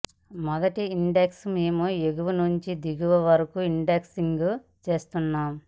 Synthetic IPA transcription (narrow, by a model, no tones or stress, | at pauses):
mɐɡɐʈiːɳɖeksmeːmueɡuʋunuɲt͡ʃid̪iɡuʋɐʋɐɾɐkuiɳɖeksiŋɡu | t͡ʃe̞ːst̪unːaːm